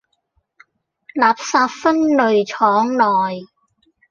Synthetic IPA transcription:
laː˨p̚saː˧pfɐ˥nlɵ˨ɥt͡ʃʰɔː˨˥ŋlɔː˨˩j

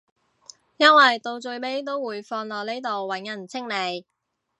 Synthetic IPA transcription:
jɐ˥nwɐ˨jt̪o˧wt͡ʃɵ˧ɥme˨˥jt̪̬o˥wwuː˨˩jfɔː˧nlɔː˨k̚ne˥jt̪o˨wwɐ˨˥njɐ˨˩nt͡sʰɪ˥ŋne˨˧j

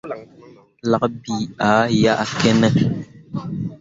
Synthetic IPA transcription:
la˨ʔbi˨a˨˦ja˦ʔa˨kɛ˦nɛ˦

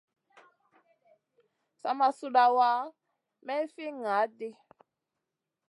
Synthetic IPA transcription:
sa̰˦ma˨su˦ɗa˨wa˦ | mɛ˦fi˦ŋa˨˦dɪ˦

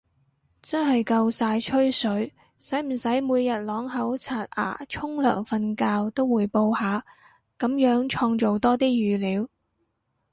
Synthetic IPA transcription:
t͡sɐ˥nɦɐ˨jkɐ˧wsaː˧jt͡ʃʰɵ˥ɥsɵ˨˥ɥ | sɐ˨˥jm̩˨˩sɐ˨˥jmuː˨˧jjɐ˨t̚lɔː˨˥ŋɦɐ˨˥wt͡sʰaː˧t̚ʔa̰ː˨˩t͡ʃʰʊ˥ŋlœ̰ː˨˩ŋfɐ˧nkaː˧wt̪o˥wːuː˨˧jpo˧whaː˨˧ | kɐ˨˥mjœː˨˥ŋt͡ʃʰɔː˧ŋt͡ʃo˨wt̪ɔː˥t̪iː˥jyː˨liː˨˧w

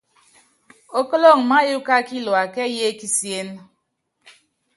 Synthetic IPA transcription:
o˦kɔ˦lo˦˨ŋ̩˨ma˦ju˦ka˦ki˦lwa˨kɛ˦je˦ki˦sje˦n

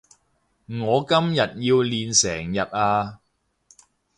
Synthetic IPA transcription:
ŋɔː˨˧kɐ˥mjɐ˨t̚jiː˧wliː˨nsɛː˨˩ŋjɐ˨t̚aː˧

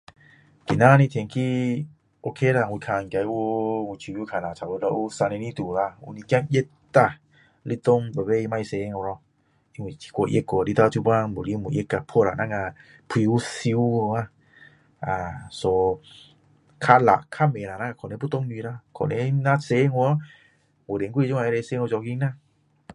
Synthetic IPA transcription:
kḭ˨na˦˧ni˧t̪ʰe˧ŋkʰi˦ | ʔo˧kʰe˧˦la˧˨ŋwu˨kʰa˧˨ŋkʲa˧˨˦u˦ŋʷu˧˨t͡ʃʰu˧bju˦kʰa˧˨na˨t͡ʃʰa˨u˧˦lɔ˧ʔu˦sa˧ne˧ni˦t̪u˨la˧˨ṵ˧˦ni˧˦kja˦˧˨ŋje˦tː | a˧˨ | li˦t̪o˦ŋbə˨be˦i˧ma˧jse˧˦˧ŋo˧ɾɔ˧ | i˧ŋwi˨i̥˧˨kʷo˧˨ʔe˦ko˧˨li˧t̪a˧t̪ʰu˧ba˦˧ŋbo˨li˦˧mu˨ʔje˦ka˧˨pʰo˦˨ɾa̰˨na˧˦ŋa˧ | pʰi˧u˦si˧˦o˧ŋa˧ | a˨so˧ | kʰa˧la̰˨ʔkʰa˦˨me˨na˨na˦ŋa˧kʰɔ˨ne˧˦pʰu˦t̪o˦ŋɲ˧i˧ɾa˧˦kʰɔ̰˨ne˧˦na˦se˧˦ŋu˧˦ | wo˨de˨˦ŋkwi˧˨t͡ʃu˦ŋa˧˨e˧ɾe˧se˧˦ŋo˧˨t͡ʃɔ˧˨ki˧˦ŋna˧˨

